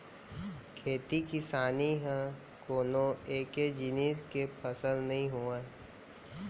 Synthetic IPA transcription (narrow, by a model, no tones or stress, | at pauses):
kʰeːt̪ikɪsaːniɦɛ̃ | koːnõeːked͡ʒɪniːskepəsəlnɐɦĩɦuãː